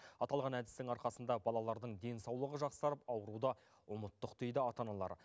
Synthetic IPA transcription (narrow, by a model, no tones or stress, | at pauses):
ɑt̪ɑlˠʁɑnæd̪ɪst̪ɪŋɑɾqɑsənd̪ɑbɑlˠɑlˠɑɾd̪əɴd̪e̞nsɑwlˠəʁəʒɑqsɑɾəpɑwəɾud̪ɑ | ʊmət̪ːəqd̪̥e̞jd̪ɪɑt̪ɑnɑlˠɑ̰ɾ